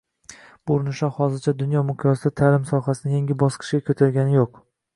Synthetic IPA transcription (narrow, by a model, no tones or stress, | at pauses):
boɾnɪʃahɒzɪɾt͡ʃʰad̪ʊnjɒmʊqʰjɒsɪd̪at̪ʰalɪmsɒɦasɪnɪjaŋʲɪbɒsqʰɨ̥ʃɡʲakʲʰɵt̪ʰaɾɡʲanɪjoq